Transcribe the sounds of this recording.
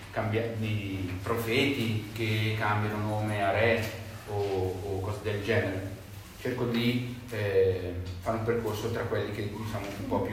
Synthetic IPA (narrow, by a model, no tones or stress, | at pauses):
kambjad̪ipɾofɛːt̪ik̟ekːambjanonomeaɾɛ | oːkːɔːzed̪eld͡ʒɛːneɾe | t͡ʃerkod̪i | ɛ | faɾumperkorsot̪ɾakwelːik̟ed̪it͡ʃaːmoumpɔpju